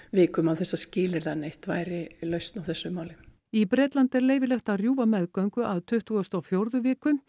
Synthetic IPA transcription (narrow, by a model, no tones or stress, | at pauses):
vɪːkʏmawθɛsːascɪːlɪɾðanejht̪vaːjɾɪlœɥst̪nawθɛsːʏmaːwlɪ | ipɾɛːt̪lant̪ɛɾleːjvɪlɛht̪arjuːvamɛðkœɥŋkʏʔaðt̪ʰʏht̪uɣʏst̪awfjowɾðʏvɪːkʏ